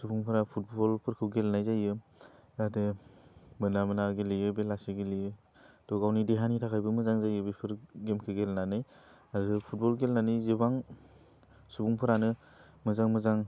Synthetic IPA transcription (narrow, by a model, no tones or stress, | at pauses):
subuŋpʰɯɾapʰut̚bɔlpʰɯɾkʰɯwɡelnajzajɯ | adɯ | mɯnamɯnaɡelijɯbelasiɡelijɯ | tɔɡawnideɦanitʰakʰajbɯmɯzaŋzajɯbepʰɯɾɡemkʰɯɡelnanɯj | aɾdɯpʰut̚bɔlɡelnanɯjzibaŋ | subuŋpʰɯɾanɯ | mɯzaŋmɯzaŋ